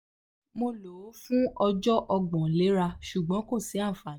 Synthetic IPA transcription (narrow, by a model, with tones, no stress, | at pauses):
mo˧lo˨˦fũ˦ɔ˧d͡ʒɔ˦ʔɔ˧ɡ͡bɔ̃˨le˨˦ɾa˧ʃu˨ɡ͡bɔ̃˨˦ko˦˨si˨˦a˦˨fa˨